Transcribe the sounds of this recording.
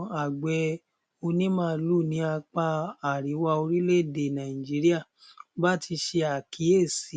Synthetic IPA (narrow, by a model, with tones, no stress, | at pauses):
a˨ɡ͡bɛ˨˧˦ | o˧nĩ˦mãː˦˧˦lu˦˨nĩ˨˦a˧k͡pa˧a˨ɾi˨˦wa˧o˧ɾi˦le˦˨de˨nã˨i˨d͡ʒi˨˦ɾi˦a˦˨ | ba˦tʰi˧ʃe˧a˨kʰi˨˦e˦˨si˨